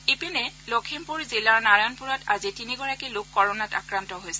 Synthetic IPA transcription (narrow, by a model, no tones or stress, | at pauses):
ipinɛlokʰimpuɹzilaɹnaɹanpuɹɔtazitiniɡɔɹakilʊkːɔɹɔnata̰kɹantɔɦojsɛ